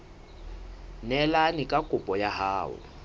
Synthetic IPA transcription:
nɛlanɪkʼakʼʊpʼɔjahaːʊ̰

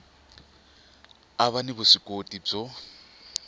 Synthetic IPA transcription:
aβanibʊsɪkʼotʼib͡ʐɔ

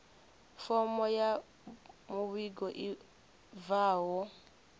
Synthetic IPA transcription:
fɔmɔja | muβiɡɔʔi | vawɔ

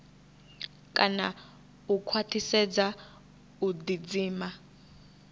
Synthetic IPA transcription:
kʼana | ukʰwatʰisɛd͡za | udid͡ziːma

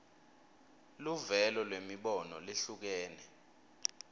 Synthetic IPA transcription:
luvɛlɔlwemiɓɔnɔleɬuk̬ɛːnɛ

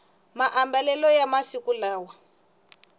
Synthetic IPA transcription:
maʔambɛlɛlɔjamasikulaːwa

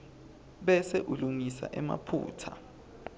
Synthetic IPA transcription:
ɓɛsɛʔuluŋisa̰ʔɛma̰pʰṵːtʰa

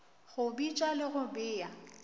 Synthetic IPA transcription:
ɣʊbit͡ʃʼalɪɣʊbɪːja

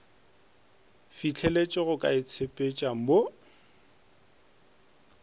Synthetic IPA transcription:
fit͡ɬʰɛlet͡ʃʼɪɣʊkʼa̰ɪt͡sʰepʼet͡ʃʼam̩bo

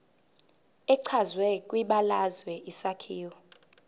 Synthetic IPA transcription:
ɛǀʰazwɛkʼwiɓalazwɛʔisakʰiːwɔ

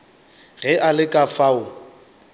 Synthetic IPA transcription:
ɣɛʔalɪkʼafaʊ

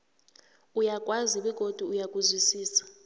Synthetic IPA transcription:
ujakʼwaziɓɛɡ̥ʱod̥ʱuujakʼuzwisiːsḁ

